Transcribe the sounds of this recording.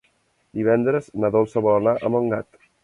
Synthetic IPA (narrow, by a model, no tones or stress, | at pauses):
d̪iβɛnd̪ɾəznaðɔlˠsəβɔlənaʔəməŋɡat̪